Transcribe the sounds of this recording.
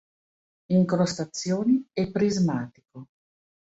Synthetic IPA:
iŋkɾost̪at̪sːjoːniɛpːɾizmaːt̪i̥ko

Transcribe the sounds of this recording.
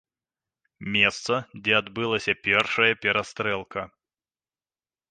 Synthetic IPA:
mʲɛst̪sɐdd͡zʲɛad̪bɨlˠɐsʲɐpʲɛrʂɐjɐpʲɛɾɐst̪ɾɛlˠkʰɐ

